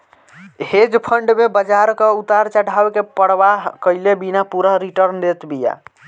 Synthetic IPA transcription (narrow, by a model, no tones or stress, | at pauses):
ɦed͡ʒpʰəɳɖmebəd͡ʒaɾkəut̪aɾt͡ʃəɽʱawkepəɽbakəjlebinapuɾəɦɾiʈəɾnd̪et̪bija̰